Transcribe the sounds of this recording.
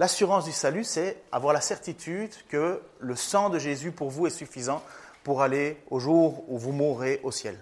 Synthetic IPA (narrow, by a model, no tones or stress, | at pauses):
lasyʁɑ̃sd̪ysalysɛa̰vwaʁlasɛʁt̪it̪ʰyd̪kələsɑ̃d̪əʒezypuʁvuɛsyfizɑ̃puʁaleoʒuʁuvumuʁeʔosjɛl